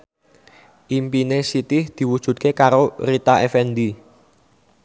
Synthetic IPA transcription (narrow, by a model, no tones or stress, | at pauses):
ʔimpinesit̪ɪhd̪̥i̤wud̥ʒ̥ṳt̪̚kekaɾorit̪aʔefɛnd̪i